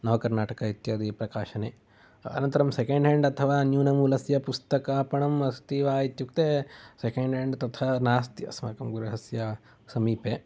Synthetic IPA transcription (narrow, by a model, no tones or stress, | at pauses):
nɐʋɐkɐɾnaːʈɐkɐit̪jaːd̪ipɾɐkaːʃɐneː | ɐ̰nɐ̃nt̪ɐɾɐmsekeɳɖɦeɳɖɐt̪ʰɐʋaːnjuːnɐmuːlɐsjɐpust̪ɐkapɐɳɐmɐst̪iːʋaːit̪jukt̪eːsekeɳɖɦeɳɖt̪ɐt̪ʰɐnaːst̪jɐ̰smɐkɐmɡuɾɐɦɐsjɐ | sɐmiːpeː